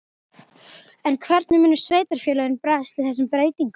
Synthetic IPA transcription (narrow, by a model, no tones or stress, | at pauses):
ɛnkʰvɛɾt̪nɪmʏːnːʏ̥sveːjt̪aɾ̥fjɛːlaðɪnpɾaːst̪ɪðθɛs̬ːʏmpɾeːjt̪iŋk